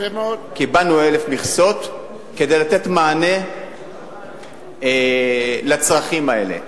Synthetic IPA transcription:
kibanuele̞fmiχso̞t̪ | ke̞d̪e̞jlat̪e̞t̪maːne̞ | lat͡sʁaχimae̞le̞̰

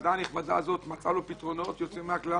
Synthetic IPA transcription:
d̪aniχbad̪a̰zo̞t̪mat͡salupit̪ʁo̞no̞t̪jo̞t͡simːeakla

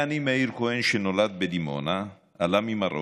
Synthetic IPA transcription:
animaiɾkoɛnʃenolat̪̚bed̪imo̰naː | lamimaro̰

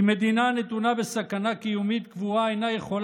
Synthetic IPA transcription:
med̪inanet̪unabesɐkɐnakijumit̪kvuajnajeχol

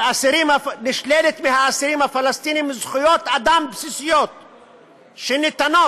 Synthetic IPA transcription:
ʔasiɾimanɪʃled̪et̪mɪhaasiɾimafalast̪inimɪzχijot̪ʔad̪ambsisijot̪̚ | ʃenɪt̪ano

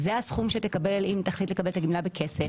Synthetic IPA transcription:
zeasχumʃet̪ekabe̞limt̪aχlit̪le̞kabelt̪aɡimlabekʰe̞sef

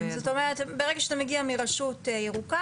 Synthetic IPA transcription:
zot̪o̞meʁetbeʁeɡaʃazemeɡiamiʁaʃutjeʁuka

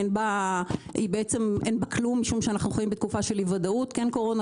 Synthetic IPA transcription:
nba | ibeet͡se̞mʔenbaklumːiʃumʃeanaχnuχojimbet̪̚kufaʃe̞livadautkenko̞ʁo̞na

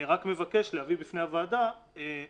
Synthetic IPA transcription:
iʁakme̞vake̞ʃlehavibifnehavaːdae

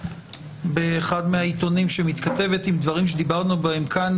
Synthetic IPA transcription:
beːχad̪meait̪o̞nimʃemit̪kat̪e̞ve̞t̪imd̪vaʁimʃ̬ed̪ibaʁnubae̞mkʰan

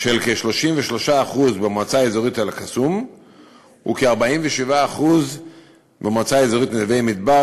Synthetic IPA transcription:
ʃelkeʃlo̞ʃimveʃlo̞ʃaːχuzbemat͡saezoʁitalakasum | ṵkeaʁbaimveʃivaːχuz | bemat͡saezoʁitnevejmid̚ba

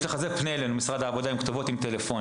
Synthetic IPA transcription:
leχazepneelenumisʁad̪haːvo̞d̪aimkt̪ovo̞t̪imt̪elefo̞n

